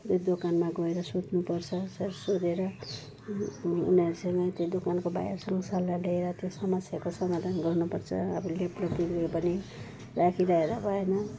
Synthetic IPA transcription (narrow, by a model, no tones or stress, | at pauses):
t̪od̪okanmaɡʌeɾʌsut̪nupʌrt͡sʰʌsʌɾsod̪eɾʌ | ṵniʌɾusʌŋɡʌt̪jed̪okankoba̰ja̰rsʌŋɡʌsʌlːaleeɾʌt̪josʌmʌsʰjakosʌŋɡʌd̪ʱʌnɡʌɾnupʌrt͡sʰʌ̰ʌbʌleplʌtilɡʌɾupʌni | rakʰiɾʌeɾʌbʱʌenʌ